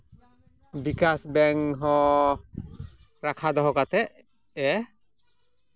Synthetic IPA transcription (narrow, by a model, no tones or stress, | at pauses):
bikasbɛŋɦɔ | ɾakʰad̪ɔɦɔkat̪ɛʔ | ɛ